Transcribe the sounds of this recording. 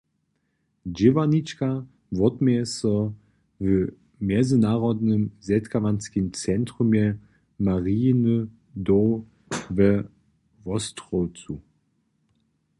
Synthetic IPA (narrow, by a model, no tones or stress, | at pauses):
d͡ʒivanit͡ʃka | vɔtmɛɛsɔ | və | mjɛzɪnaːʁɔdnəmzɛtkavanskimt͡sɛntʁ̥umɛ | maʁinə | dɔ | vɛ | vɔstʁɔwt͡su